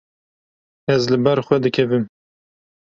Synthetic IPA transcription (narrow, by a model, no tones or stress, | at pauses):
ɛzlɨbɛɾxʷɛd̪ɨkʰɛvɨm